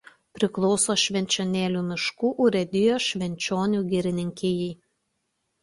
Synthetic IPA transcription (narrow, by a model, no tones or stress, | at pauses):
pʲɾʲɪklˠɔʊsoːʃʲʋʲɛnʲt͡ʃʲoːnʲeːlʲuːmʲɪʃkuːʔʊɾʲɛd̪ʲɪjoːʃʲʋʲɛnʲt͡ʃʲoːnʲuːɡʲɪɾʲɪnʲɪŋʲkʲeːjɛɪ